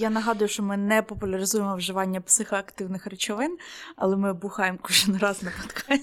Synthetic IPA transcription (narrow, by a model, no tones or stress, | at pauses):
janɐɦɑd̪ʊjʊʃt͡ʃɔmɪnɛpɔpʊlʲɐɾɪzujemɔwʒɪʋɑnʲːɐpsɪxɐɐkt̪ɪwnɪxrɪt͡ʃɔʋɪnɐ̰lˠɛmɪbʊxɑjemkɔʒɪnrɑznɐpɔt̪kʰɑj